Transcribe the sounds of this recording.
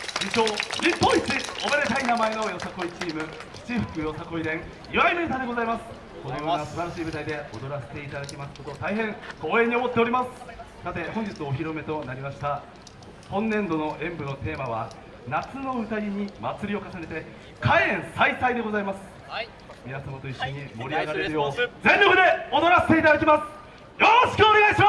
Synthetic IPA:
ĩɕo̞ːɾʲipːõit͡ɕiobeɾet̪ainamae̞no̞jo̞sako̞it͡ɕiːmɯ̟ | ɕi̥t͡ɕiɸɯ̟̥kɯ̟jo̞sako̞id̪ẽ̞ŋ | iβaaimoɲit̪ad̪eɡo̞zaimasɨ̥ | konojonosɨbaɾaɕiːbɯ̟t̪aid̪e̞od̪o̞ɾase̞̥t̪e̞it̪ad̪akʲimasɨ̥kot̪o̞t̪aiɦẽ̞ŋko̞ːẽ̞ɲːio̞mo̞t̪ːe̞oɾʲimasɨ̥sat̪e̞hõ̞ɲ̟d͡ʑit͡sɨoːçʲiɾo̞me̞t̪o̞naɾʲimaɕi̥t̪a | hõ̞nːẽ̞nd̪o̞no̞ʔẽ̞mbɯ̟no̞t̪e̞ːmaβa | nat͡sɨno̞ɸɯ̟t̪aɾʲiɲ̟imat͡sɨɾʲio̞kasane̞t̪e̞ | kʰaiẽ̞ɰ̃saisaid̪e̞ɡo̞zaimasɨ̥ | mʲinasmot̪o̞iɕːo̞ɲ̟imo̞ɾʲiaɡaɾe̞ɾɯ̟jo̞ːd͡zẽ̞nɾokɯ̟d̪e̞o̞d̪o̞ɾase̥t̪eit̪ad̪akʲimasɨ̥ | jo̞ɾoɕi̥kɯ̟one̞ɡaiɕima

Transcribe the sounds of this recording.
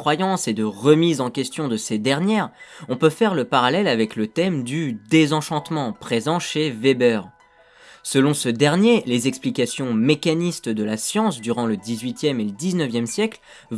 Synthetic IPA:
χwajɑ̃sed̪əʁəmizɑ̃kʲɛst̪jɔ̃d̪əsed̪ɛʁnjɛʁɔ̃pøfɛʁləpaʁalɛlavɛklət̪ɛmd̪yd̪ezɑ̃ʃɑ̃t̪mɑ̃pχezɑ̃ʃevebœːʁ | səlɔ̃səd̪ɛʁnjelezɛksplikasjɔ̃mekanist̪d̪əlasjɑ̃sd̪yʁɑ̃ləd̪izɥit̪jɛmeləd̪iznəvjɛmsjɛkl

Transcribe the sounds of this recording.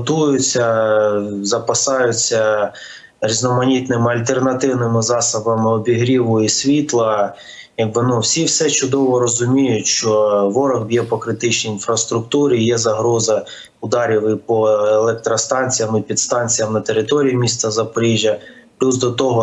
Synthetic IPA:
t̪ujʊt͡sʲːɐ | zɐpɐsɑjʊt͡sʲːɐ | ɾʲiznɔmɐnʲit̪nɪmɪɐlʲt̪ernɐt̪ɪwnɪmɪzɑsɐbɐmɪɔbʲiɦɾʲiʋʊisʲʋʲit̪lˠɐ | jɐɡ̚bɪnɔwsʲiwsɛt͡ʃʊd̪ɔʋɔɾɔzʊmʲijʊtʲʃt͡ʃɔʋɔɾɔɣbʲiɔpɔkɾɪt̪ɪt͡ʃnʲiinfɾɐst̪ɾʊkt̪uɾijɛzɐɦɾɔzɐ | ʊd̪ɑɾʲiwɪpɔelˠɛk̚t̪ɾɔst̪ɑnʲt͡sʲijɐmɪpʲid̪st̪ɑnʲt͡sʲijɐmnɐt̪eɾɪt̪ɔɾʲijimʲist̪ɐzɐpɔɾʲiʒʲjɐplʲuzd̪ɔt̪ɔɦɔ

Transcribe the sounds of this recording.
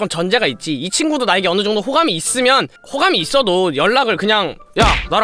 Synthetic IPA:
ʌnt͡ɕʌnd͡ʑe̞ɡait̚t͡ɕ͈iit͡ɕʰinɡudonaeɡeʌnɯd͡ʑʌŋdoɸoɡamiːs͈ɯmjʌn | hoɡamiːs͈ʌdojʌɭːaɡɯɭkɯɲaŋ | janaɾ

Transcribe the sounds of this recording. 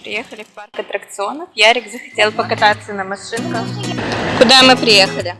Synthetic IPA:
pɾʲɪ̰jexəlʲɪfparkɐt̪ɾəkt̪sɨo̞nəfjaɾʲɪɡzəxɐ̥tʲe̞lˠpəkɐt̪at̪sːənəmɐʂɨnkəxkʊd̪amɨpɾʲɪjexəlʲɪ

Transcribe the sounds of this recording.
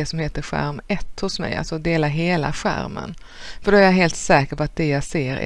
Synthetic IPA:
ɛsɔmheːt̪əɾɧæ̰ɾmɛt̪ːhʊsmɛ̰ja̰lsɔd̪eːlaɦeːla̰ɧæ̰ɾmə̰n | fœɖɔæɾjaɦeːlt̪sɛːkəɾpɔat̪̚d̪ɛjaɡseːɾ̰

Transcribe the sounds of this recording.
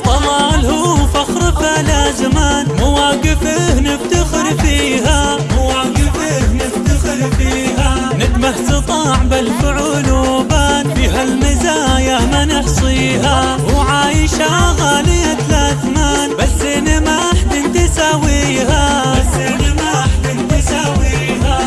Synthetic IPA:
t̪ˤɑlɑːlhufaxɾɨfalazamaːnmʊwaːɡɪfɪhnɪbt̪ɪxɾfiːɦa | mwaːɡɪfɪhnɪbt̪ɪxɾfiːha | nɪt̪maħst̪ɨt̪ˤɑːʕbɪlfʊʕuːnoːbaːnfiːɦalmɪzaːjamanɪħsˤiːha | wʕaːjɪʃaɣaːlɪjat̪laːzamaːnbasːɪnɪmaħt̪ɪnt̪ɪsaːwiː | ha | aɪnɪmaħɪnt̪ɪsawi | ha

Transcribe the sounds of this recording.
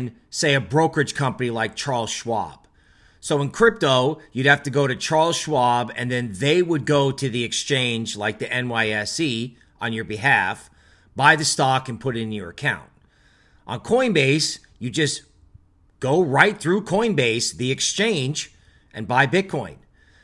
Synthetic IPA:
n | seɪɨbɹoʊkɨ̥˞ʒ̥kʰʌ̃mpənilaɪk̚t͡ʃʰɑɹlˠz̥ʃwɑ̰b̥ | soʊə̃nkʰɹ̥ɪp̚toʊjɨd̚hæftɨɡoʊɾɨt͡ʃʰɑɹlˠz̥ʃwɑbɨ̰̃nðɨ̃nðeɪwəd̚ɡoʊɾɨðiɨkst͡ʃʰẽɪ̃nd͡ʒlaɪk̚ðiʔɛ̃nwaɪɛsi | ʔə̃njə˞bɨɦæf | b̥aɪðɨstɑkɨ̃npʰʊɾɨɾɨ̃njə̰˞ɨkʰãʊ̃nt̚ | ʔn̩kʰɔ̃ɪ̃nbeɪs | jɨd͡ʒʌs | ɡ̥oʊɹaɪt̪̚θɹʉkʰɔ̃ɪ̃nbeɪsðiɨkst͡ʃʰẽɪ̃nd͡ʒ | ʔɨ̃nbaɪbɪd̚kʰɔ̃ɪ̃n

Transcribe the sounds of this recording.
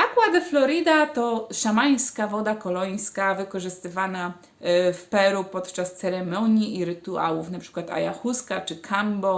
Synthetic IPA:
akwad̪ɛflɔɾɘd̪at̪ɔʂamaj̃skavɔd̪akɔlɔj̃skavɘkɔʐɘst̪ɘvana | fpɛɾupɔt̪t͡ʂast̪sɛɾɛmɔɲiʔiɾɘt̪ua̰wufnapʂɘ̥kwat̪a̰jaxuskat͡ʂɘkʰambɔ

